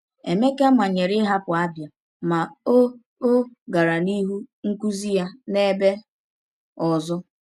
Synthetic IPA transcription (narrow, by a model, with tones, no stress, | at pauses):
e˨me˦ke˦a˦ma˨ɲe˨ɾɪ˦ɦa˦pʊ˨a˦bja˨ | ma˨o˦ | o˦ɡa˨ɾa˨ni˦ɦu˦ŋ̩˦ku˦zi˦ja˦ne˦be˦ | ɔ˨zʊ˦